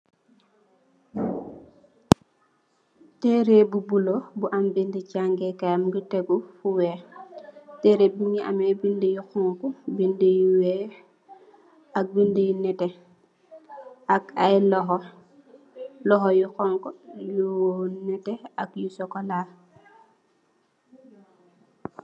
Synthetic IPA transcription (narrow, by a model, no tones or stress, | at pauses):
tɛɾebubulobuʔambindicaŋɡɛkamɡiteɡufuwɛ | tɛɾebiŋiʔa̰mɛbindijuxɔŋkubindijuwɛ | ak̚bindijunɛtɛ | akajlɔɦɔ | lɔxɔjukɔŋkɔjuwonɛtɛakjusɔkɔlaː